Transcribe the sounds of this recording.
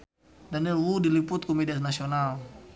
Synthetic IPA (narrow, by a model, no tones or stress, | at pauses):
danilwudiliput̪̚kɔmɛdiasnasiɔnal